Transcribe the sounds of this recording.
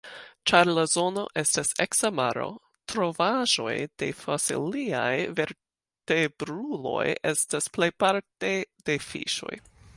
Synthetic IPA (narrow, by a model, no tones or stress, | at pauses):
t͡ʃaɾlazo̞no̞̰ʔe̞staseksamaɾo̞̰ | tɾo̞vaʒo̞̰jd̥e̞̰fasḭlia̰jveɾ | teb̥ɾulo̞̰je̞stasplejpaɾte̞d̥e̞fḭʃo̞̰j